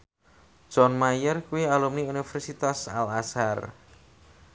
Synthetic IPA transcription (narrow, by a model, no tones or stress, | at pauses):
d̥ʒ̥ɔnmajərkuialumniunifɛrsit̪asa̰lasar